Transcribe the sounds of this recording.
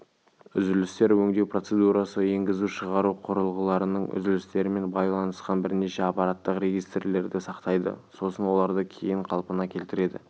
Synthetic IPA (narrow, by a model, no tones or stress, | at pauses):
ʏzɪlɪst̪e̞ɾwɵŋd̪e̞wpro̞t̪se̞d̪uɾɑsəe̞ŋɡʲɪzuʃəʁɑɾuqʰʊɾəlˠʁəlˠɑɾənəɴʏ̰zɪlɪst̪e̞ɾɪme̞nbɑjlˠɑnəsqɑnbɪɾne̞ʃe̞ɑpɑɾat̪ːəqɾe̞ɡʲijst̪le̞ɾd̪ɪsɑqt̪ɑjd̪ə̰so̞sənwo̞lˠɑɾd̪əkʲʰe̞jɪɴqʰɑlˠpənɑkʲʰe̞lt̪ɪɾe̞d̪ɪ̰